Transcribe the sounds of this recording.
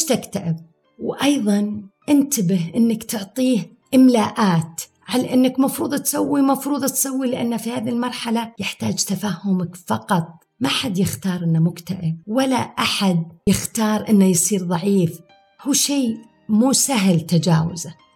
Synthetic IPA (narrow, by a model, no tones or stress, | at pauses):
eʃt̪akt̪aʔɪb̚ | wʔɑjðˤɑnʔɪnt̪abɪɦʔɪnːakt̪ʊʕt̪ˤiːh | ʔɪmlaːʔaːt̪ | ʕalaʔɪnːakmɑfɾuːðˤat̪sawːimɑfɾuːðˤat̪sawːilɪʔanːafihaːðilmɑɾˤħalajɪħt̪aːd͡ʒt̪afaːhʊmakfɑqɑt̪ˤ | maħad̪jɪxt̪ɑːɾˤʔɪnːamʊkt̪aʔɪb̚walaʔaħad̪̚jɪxt̪ɑːɾˤʔɪnːajsˤiːɾðˤɑʕiːf | huːʃeː | muːsaɦlt̪ad͡ʒaːwɪ̰za